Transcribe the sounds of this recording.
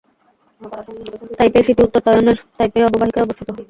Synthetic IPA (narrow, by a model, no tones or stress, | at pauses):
t̪ajpeesit̪iut̪ːot̪ɔjoneɾt̪ajpeeɔbobaɦikaɾɔbost̪ʰit̪o